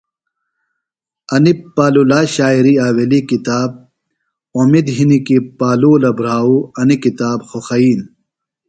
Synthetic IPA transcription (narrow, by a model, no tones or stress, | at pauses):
ɐnipːaːlulaːɕaːiɾiaːwelikit̪aːb̚ | omid̪ɦinikipaːluːlɐbɾaːuɐnikit̪aːbxoxɐiːn